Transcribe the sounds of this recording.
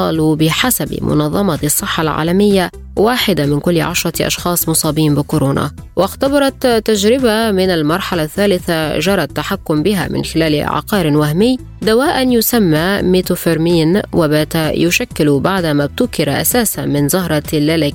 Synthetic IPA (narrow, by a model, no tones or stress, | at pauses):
ɑ̰ːlubɪħasabɪ̰mʊ̰nɑðˤːɑmɑsˤːɨħːalʕa̰ːlamɪjːa | waːħɪd̪amɪnkʊlːʕa̰ʃɾˤɑʔɑ̰ʃxɑːsˤmʊsˤɑːbiːmbɪkʊɾoːna̰ | wʔaxt̪ɑbɑɾˤɑt̪ːaʒɾɪbamɪnalmɑɾˤħalaθːaːlɪθaʒɑɾˤɑt̪ːaħakːʊmbɪɦa̰mɪ̰nxɪlaːl̰ʕa̰qɑːɾɪwahmɪjː | d̪awaːʔanjʊsamːameːt̪ufɪɾmiːnwabaːt̪ajʊʃakːɪlubaʕd̪amab̚t̪ʊkɪɾaʔa̰saːsamɪnzʊɦɾˤɑlːalɪk